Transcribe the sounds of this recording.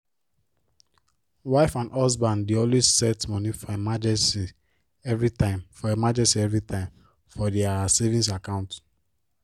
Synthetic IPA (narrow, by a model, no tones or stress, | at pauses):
waɪfãndɔsbãndiõnwessɛtmɔnifɔemad͡ʒɛ̃nsi | ɛvɹitãɪmfɔemad͡ʒɛ̃nsiɛvɹitʰãɪ̃m | fɔdɛasevĩns̬akãʊ̃nt